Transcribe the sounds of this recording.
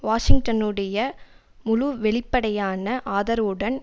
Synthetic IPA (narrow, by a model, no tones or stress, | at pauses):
ʋaːʂɪŋɡ̚ʈɐnɯɽɐjɐ | mʊluʋɛɭɪpːɐɽɐjaːnɐʔaːðɐɾɯɽɐn